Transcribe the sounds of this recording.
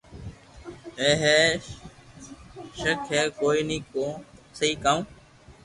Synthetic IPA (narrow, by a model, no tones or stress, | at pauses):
eːɦeː | ʃəkʰɦɛːkoːiːniːkõːsəiːkaːũː